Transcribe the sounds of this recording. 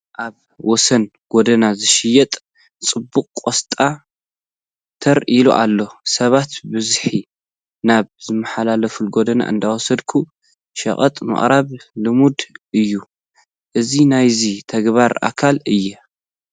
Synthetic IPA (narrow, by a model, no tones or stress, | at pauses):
ʔaβ | wɔsɐn | ɡ̥od̪ɐnazɨʃɪjɛt̪ʼ | t͡sʼɨbːuqʼkʼost̪ʼa | t̪ʰɐɾilṵʔa̰lːo̞sɐβat̪bɨzħi | naβzɨmːɐħalalɐfulɡod̪ɐna̰ʔɨ̰nd̪awɔsɐd̪kʰu | ʃɐ̰χʼɐ̰t̪ʼmɨ̰χʼɾaβlɨmud̪ʔɨjːu | ʔɨzinajzit̪ʰɐɡβaɾʔa̰kʰalɨjːɛ